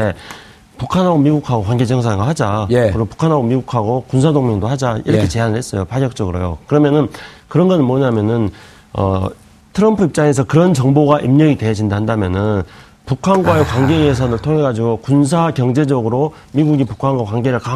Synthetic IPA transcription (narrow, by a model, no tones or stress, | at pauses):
e | pukʰanɦaɡomiɡukʰaɡokwanɡe̞d͡ʑʌŋs̬ʰanɡoɦad͡ʑaɯɾopu̥kʰanɦaɡomiɡukʰaɡokunsʰadoŋmeŋdohad͡ʑaḭɾʌkʰet͡ɕe̞ɦanɯɭhe̞ts͈ʌjopaɡjʌk̚t͡ɕ͈ʌɡɯɾojo̰kɯɾʌmjʌnɯnkɯɾʌnɡʌnɯnmwʌɲamjʌnɯn | ʌ̰ | tʰɯɾʌmpʰɯip̚t͡ɕ͈aŋe̞s̬ʰʌkɯɾʌnt͡ɕʌŋboɡaʔimɲʌɡitwe̞ɦʌd͡ʑindaɦandamjʌnɯn | pukʰanɡwaekwaŋɡe̞es̬ʰʌnɯɭtʰoŋɦe̞ɡad͡ʑiɡokuns̬ʰakjʌŋd͡ʑe̞d͡ʑʌɡɯɾo | miɡuɡipukʰanɡwakwaŋɡe̞ɾɯɭka